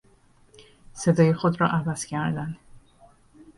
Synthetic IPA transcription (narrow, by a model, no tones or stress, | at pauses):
sed̪ɒːjexod̪ɾɒ̰ːʔævæscʲʰæɾd̪æn